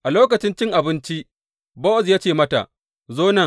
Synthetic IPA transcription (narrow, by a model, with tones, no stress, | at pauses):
ʔa˨loː˦k̬ɐ˨t͡ʃɪ˦nt͡ʃɪ˦ŋʔa˨bɪ˦nt͡ʃi˦ʔ | bo˦˨zjaː˦t͡ʃeː˦˨mɐ˦ta̰˨ʔ | zoː˦nɐ˨